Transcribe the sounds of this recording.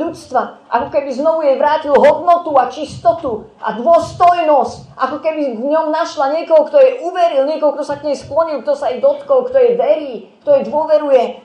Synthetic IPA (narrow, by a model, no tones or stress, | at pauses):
ut͡st̪ʋaʔa̰kɔkɛbiznɔʋujɛjʋɾaːcilɦɔd̪nɔt̪uat͡ʃist̪ɔt̪uʔa̰d̪ʋʊɔst̪ɔjnɔsc | ʔakɔkɛbivɲɔmnaʃlaɲɪɛkɔɦɔkt̪ɔjɛʔuʋɛɾilɲɪɛkɔɦɔk̚t̪ɔsakɲɛjsklɔɲilkt̪ɔsajɛd̪ɔt̪kɔlkt̪ɔjɛjʋɛɾiː | kt̪ɔjɛd̪ʋʊɔʋɛɾujɛ